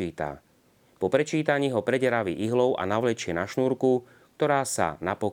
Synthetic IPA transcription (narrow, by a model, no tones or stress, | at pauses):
iːt̪a̰ | pɔpɾɛt͡ʃiːt̪aɲiːɦɔpɾɛɟɛɾaʋḭʔiɦlɔʊʔa̰naʊlɛt͡ʃɪɛnaʃnuːɾku | k̚t̪ɔɾaːsa̰napɔ